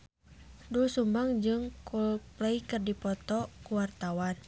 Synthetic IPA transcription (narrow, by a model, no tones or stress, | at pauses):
dulsumbaŋd͡ʒɨŋkulplɛikɨrdipɔt̪ɔkuwart̪awan